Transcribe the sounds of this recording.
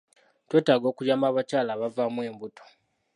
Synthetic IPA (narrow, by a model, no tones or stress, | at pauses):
twe̞ːtaːɡo̞ːkujaːmbaːβat͡ʃaːlaːβavamwe̞ːmbuto̥